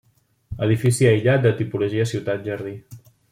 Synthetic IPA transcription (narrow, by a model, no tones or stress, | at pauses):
əðifisiəjʎat̪̚d̪ət̪ipuluʒiəsiwt̪at̪̚ʒərði